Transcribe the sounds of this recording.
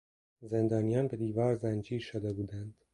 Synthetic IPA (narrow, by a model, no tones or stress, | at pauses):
zend̪ɒːnijɒːnbe̞d̪iːvɒːɾzænd͡ʒiːʃod̪ebuːd̪ænd̪̥